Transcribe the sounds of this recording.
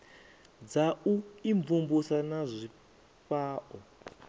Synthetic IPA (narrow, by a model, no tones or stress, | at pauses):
d͡zauiɱvumbusanazʷi | paːʔɔ